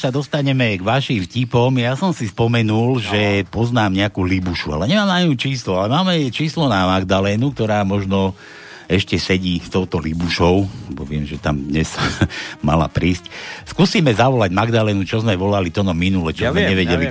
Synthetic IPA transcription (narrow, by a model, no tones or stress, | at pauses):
sad̪ɔst̪aɲɛmɛɡʋaʃimfcipɔmjasɔmsispɔmɛnulʒɛpɔznaːmɲɛakuːlibuʃua̰lɛɲɛmaːmnaɲut͡ʃiːslualɛmaːmɛt͡ʃiːslɔnamaɡd̪alɛːnuk̚t̪ɔɾaːmɔʒnɔ | ɛʃcɛsɛɟiːst̪ɔʊt̪ɔlibuʃɔʊlɛbɔʋɪɛmʒɛt̪amd̪ɲɛz | ma̰la̰pɾiːscskusiːmɛzaʋɔlaɟmaɡd̪alɛːnut͡ʃɔzmɛʋɔlalit̪ɔnɔminulɛt͡ʃɔzmɛɲɛʋɛɟɛli